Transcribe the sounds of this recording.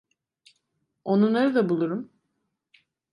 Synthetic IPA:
o̞nunlˠaɾɯd̪abulˠuɾum

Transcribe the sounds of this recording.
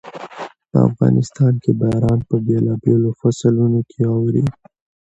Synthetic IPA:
pə̰a̰fɣɑ̰nɪst̪ɑnkebajɾɑnpəbelɑbelofaslunokʰeɑwɾi

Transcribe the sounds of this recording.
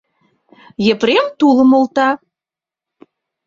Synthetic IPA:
jepɾemt̪ulə̆molt̪ɑ

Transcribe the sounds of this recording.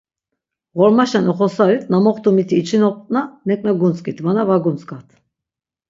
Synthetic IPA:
ʁɔɾmaʃanɔχɔsaɾit̪ʰʼnamɔχt̪ʰumit̪ʰiːt͡ʃʰinɔp̚ʼt̪ʼnamɛkʼnaɡunt͡sʼkʼit̪ʰvanavaɡunt͡sʼkʼat̪ʰ

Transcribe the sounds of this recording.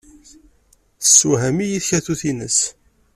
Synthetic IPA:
θsːuɦæmijiθçæθuθinəs

